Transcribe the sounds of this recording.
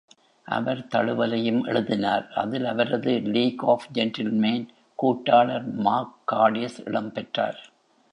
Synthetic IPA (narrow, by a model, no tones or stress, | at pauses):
ʔɐ̰ʋɐɾt̪ɐɭɯʋɐlɐjɯmʔɛ̰ɭɯðɪnaːɾʔɐ̰ðɪlɐʋɐɾɐðɯliːkoːfd͡ʒɛnʈɪlmeːn | kuːʈːaːɭɐɾmaːkːaːɽɪɐsɪ̰ɽɐmpɛʈra̰ːɾ